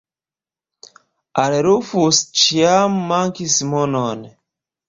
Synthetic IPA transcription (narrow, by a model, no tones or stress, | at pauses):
aleɾufust͡ʃiamːaŋkismonon